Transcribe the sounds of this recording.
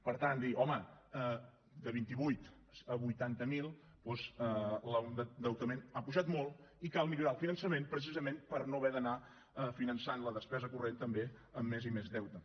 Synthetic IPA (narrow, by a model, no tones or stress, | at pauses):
pəɾt̪and̪iʔɔməə | d̪əβ̞int̪iβujt̪ | əβujt̪ant̪əmilˠ | pɔzələəd̪əwt̪əmenapuʒat̪mɔlˠikalˠmiʎuɾaəlˠfinənsəmenpɾəs̬izəmẽnpəɾnoβɛðəna | əfinənsanləðəspɛzəkurent̪əmbeəmːezimezðɛwt̪ə